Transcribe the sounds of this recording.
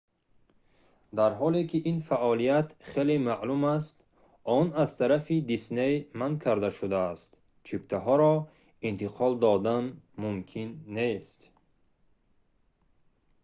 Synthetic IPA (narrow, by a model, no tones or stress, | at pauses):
d̪aɾɦɔlekʰiʔinfaʔɔlijat̪χelemaʔlumast̪ | ɔnazt̪ʰaɾafid̪isnejmankʰaɾd̪aʃud̪aːst̪ | t͡ʃʰipt̪ʰaɦɔɾɔ | int̪iqʰɔld̪ɔd̪anmumkʰinːest̪